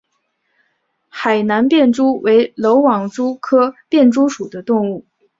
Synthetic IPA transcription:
xa˨˩ɪna˧˥npjɛ˥˩nʈ͡ʂu˥wʔe˧˥ɪlo˧˥ʊwɑ˨˩ŋʈ͡ʂu˥kʰɤ˥pjɛ˥˩nʈ͡ʂu˥ʂu˨˩d̪ə˦t̪ʊ˥˧ŋu˥˩

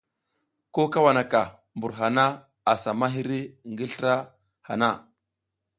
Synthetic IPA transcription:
ko˦ka˦wa˨na˨ka˨ | mbu˨ɾɦa˨na˦ | a˨sa˨ma˦ɦi˦ɾi˦˨ŋɡi˦ɬta˦ | ha̰˨na˦˨

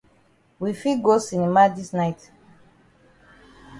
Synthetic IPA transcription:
wi˨fi˦ɡo˦si˨ni˨ma˦di˦snajt

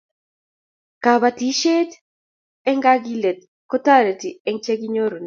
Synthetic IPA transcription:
ka˨βa˨ti˦ʃe˦t | ɛ˦ŋɡa˦ɡi˦le˨t̪̚ | kɔ˦ta˦ɾe˨ti˨ɛ˦ŋt͡ʃe˦ɡi˦ɲo˦ɾo˨n˨

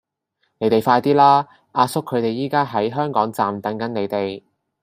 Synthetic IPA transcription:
ne˨˥jt̪e˨jfaː˧jt̪iː˥laː˥ | ʔaː˧sʊ˥kʰːɵ˨˧ɥt̪e˨jːiː˥kaː˥ɦɐ˨˥jɦœː˥ŋkɔː˨˥ŋt͡saː˨mt̪ɐ˨˥ŋkɐ˨˥nne˨˧jt̪e˨j

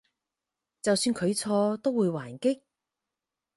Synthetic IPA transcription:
t͡sɐ˨wsyː˧nkʰɵ˨˧ɥt͡sʰɔː˧t̪o˥wwuː˨˧jwaː˨˩nkɪ˥k̚

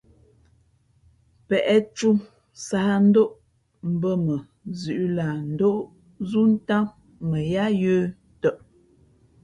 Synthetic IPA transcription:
pɛ˨ʔɛ˦tu˦ | sa˦n̩˦do˦ʔ | m̩˦˨bə˦mə˨ | zʉ˨ʔla˨n̩˨do˦ʔ | zu˦n̩˦ta˦ | mə˨ja˦jəː˦ | tə˦˨ʔ

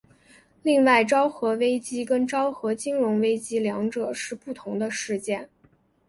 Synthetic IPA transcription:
li˥˧ŋwa˥˩ɪʈ͡ʂɑ˥ʊxɤ˧˥we˥ɪt͡ɕi˥kə˥nʈ͡ʂɑ˥ʊxɤ˧˥t͡ɕi˥ŋɻʊ˧˥ŋwe˥ɪt͡ɕi˥ljɑ˧˥ŋʈ͡ʂɤ˨˩ʂɻ̩˥˧pu˥˩t̪ʰʊ˧˥ŋd̪ə˧ʂɻ̩˥˧t͡ɕjɛ˥˩n

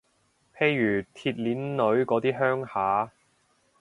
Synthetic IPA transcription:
pʰe˧jːyː˨˩t̪ʰiː˧t̚liː˨˥nlɵ˨˧˥ɥkɔː˨˥t̪iː˥ɦœː˥ŋhaː˨˥

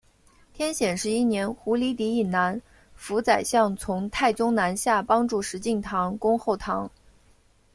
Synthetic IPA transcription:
t̪ʰjɛ˥nɕjɛ˨˩nʂɻ̩˥˧i˥˩njɛ˧˥nxu˧˥li˧˥t̪̬i˧˥i˨˩nna˧˥n | fu˧˥t͡sa˨˩ɪɕjɑ˥˩ŋt͡sʰʊ˧˥ŋt̪ʰa˥˩ɪt͡sʊ˥ŋna˧˥nɕja˥˩pɑ˥ŋʈ͡ʂu˥˩ʂɻ̩˧˥t͡ɕi˥˩nt̪ʰɑ˧˥ŋkʊ˥ŋxo˥˩ʊt̪ʰɑ˧˥ŋ

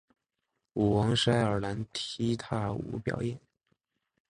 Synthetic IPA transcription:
u˨˩wɑ˧˥ŋʂa˥ɪə˞˨˩la˧˥nt̪ʰi˥t̪ʰa˥˩ṵ˧˥pjɑ̰˨˩ʊjɛ˥˩n

